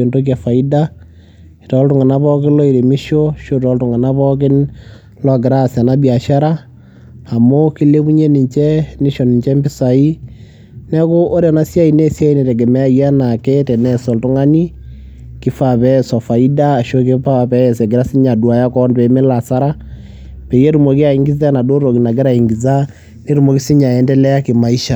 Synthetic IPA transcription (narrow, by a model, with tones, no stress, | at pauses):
e˨ndo˦k̬a˨fa˨i˦da˦˨ | tɔ˨˦ltʊ˦ŋa˨na˦pɔ˦kɪ˦nlɔ˦i˨ɾe˨mi˦ʃo˦ʃo˦tɔ˦ltʊ˨ŋa˨na˦pɔ˦k̬ɪ˦n | lɔ˨ɡɪ˨ɾa˦sa˨na˦bia˨ʃa˦ɾaː˦˨ | mo˦ki˦le˦pu˦ɲe˦ni˨ɲt͡ʃɛ˦nɪ˦ʃɔ˨nɪ˨ɲt͡ʃɛ˦mbɪ˦sa˨i˦ | nɛ˦ko˦ʔo˦ɾɛ˨na˦sja˦i˨ne˦sja˦i˨˦ne˨tɛ˨ɡɛ˨mɛ˦a˦˨ja˦na˨kɛ˦tɛ˨nɛ˦sɔ˨ltʊ˦ŋa˦ni˦ | kɪ˦fa˨pɛ˦˨sɔ˨fa˨i˦daː˦˨ʃo˦k̬ɪ˦pa˦˨pɛ˦˨sɛ˨ɡɪ˨ɾa˦sɪ˦ɲa˨dwa˨ja˦kɔ˦npɛ˨˦me˦la˨sa˦ɾa˦ | pe˨je˦ɾu˨mo˨ki˦a˨i˦ŋɡɪ˦za˦na˨do˦ɾo˨ki˨na˨ɡɪ˦ɾa˨i˨ŋɡi˨za˦ | ne˦ɾu˨mo˨ki˦sɪ˦ɲa˨ɛ˦ndɛ˦lɛ˦a˦kɪ˨ma˨i˦ʃa˨